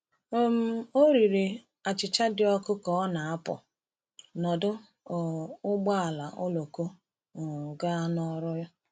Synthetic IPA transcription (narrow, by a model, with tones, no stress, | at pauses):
o˨m̩˦o˦ɾi˨ɾi˨ | a˨t͡ʃɪ˨t͡ʃa˦dɪ˨ɔ˦kʊ˦kɔ˨˦ɔ˦na˨a˦pɔ̰˨ | nɔ˨dʊ˦˨ | ʊ˦ɡ͡ba˦a˨la˨ʔʊ˦lo˨ko˦˨ | ɡa˦nɔ˦ɾʊ˦jɔ˦